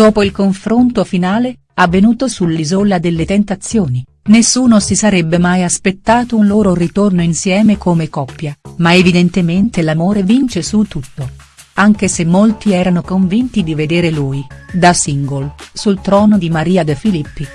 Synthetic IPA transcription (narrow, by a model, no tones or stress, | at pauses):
d̪̥oːpoilkoɱfɾont̪ofinaːle | avːenuːt̪osulːizolad̪elːet̪ent̪at̪sːjoːni | nesːuːnosisaɾɛbːemajaspet̪ːaːt̪ounloːɾorit̪ornoinsjɛːmekomekɔpːjamaevid̪ent̪ement̪elamoːɾevint͡ʃesut̪ːut̪ːo | aŋk̟esemːolt̪iɛːɾanokoɱvint̪id̪ived̪eːɾeluːjd̪asiŋɡolsult̪ɾɔːnod̪imaɾiːad̪efilipːi